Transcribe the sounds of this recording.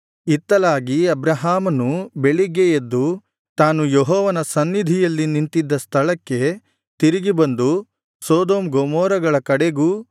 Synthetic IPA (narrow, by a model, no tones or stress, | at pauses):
it̪ːɐlaːɡiɐbɾɐɦaːmɐnubeɭiɡejed̪ːu | t̪aːnujoɦɔːʋɐnɐsɐnːid̪ʱijɐlːinint̪id̪ːɐst̪ʰɐɭɐkːe̞ | t̪iɾiɡibɐnd̪u | soːd̪oːmɡomɔːɾɐɡɐɭɐkɐɽeɡuː